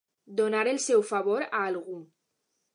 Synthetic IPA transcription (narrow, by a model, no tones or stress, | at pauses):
d̪onaɾelsɛwfaβ̞oɾaːlɣu